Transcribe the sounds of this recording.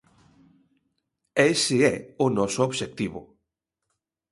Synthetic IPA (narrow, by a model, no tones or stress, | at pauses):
esɪɛʊnɔsooβʃek̚t̪iβʊ̰